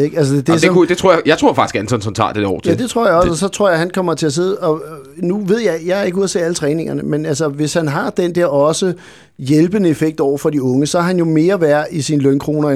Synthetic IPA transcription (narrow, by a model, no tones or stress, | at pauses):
eɡ̥æls̬əd̥ed̥eseɒmkud̥e̝t͡sʰʁo̰ɐjajɑ̈t͡sʰʁo̝ɐfɡ̥isɡ̥ænsɒnsɒnt͡sʰɑ̰̈ːd̥eɒ̰ːt͡sʰjæd̥e̝t͡sʰʁo̝ɐ̰jɑ̈ɒ̽sɒsɒ̽t͡sʰʁo̝ɐ̰jɦænkʰɒ̽m̰ɐt͡sʰe̝æs̬e̝ðˠɒ̽nuʋe̝ð̞̰ˠjɑ̈ɪjɑ̈æɐeɡ̥uð̰ˠɐt͡sʰe̝ælət͡sʰʁɛːne̝ŋɐnəmenæls̬ɐʋe̝shænɦɑ̈d̥end̥ɛɐ̰ɒ̽sə | jelb̥ənəefeɡ̥̚d̥ɒʊ̰ɐfɒ̽d̥iɔ̽ŋəsɒɦænjo̝me̝ːɐʋæɐisinlønkʰʁo̝ːnɐ